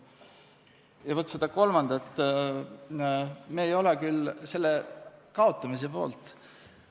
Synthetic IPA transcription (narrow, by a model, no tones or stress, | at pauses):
jɑvɤt̪ːˑsed̪ɑko̞lmɑnd̪̥ɑt̪ː | meːjo̞lekylse̞lːekɑo̞t̪ˑːɑmisepo̞̰ːlt̪ˑ